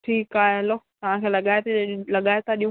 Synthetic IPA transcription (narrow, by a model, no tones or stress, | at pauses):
ʈʰiːkaːɦeɦɐlot̪ɐʋ̤ãkʰeːlɐɠaːet̪lɐɠaːet̪aɗij̃